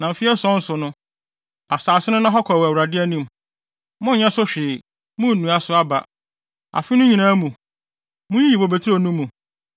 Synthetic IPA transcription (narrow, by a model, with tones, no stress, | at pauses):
nã˨m̩˨fɪ˦ɛ˦sɔ̃˦n̩˦sʊ˨nʊ̃˦ | a˨saː˨sɪ˦nʊ̃˦nã˦ɦɔ˦kʰɔ˨æ˨wa˨dɪ˦æ˦nĩ˦m˨ | mʊ̃˦˨ɲɛ̃˦sʊ˦ɕᶣɪː˨ | mʊ̃˦˨nũ˨a˨sʊ˦a˦ba̰˨ | a̰˨fɪ˦nʊ̃˦ɲĩ˨nã˦mũ˨ | mʊ̃˦i˦ji˨bo˨be˨tʰɾo˦˨nũ˦mũ˨